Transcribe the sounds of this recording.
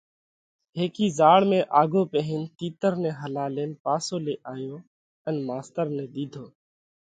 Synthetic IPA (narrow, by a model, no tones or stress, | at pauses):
ɦeːkiːzaːɭmẽːʔaːɡʱoːpeːɦɪnt̪iːt̪əɾnẽːɦəlaːleːnpaːsoːleːʔaːjoː | ənmaːst̪əɾneːd̪iːd̪ʱoː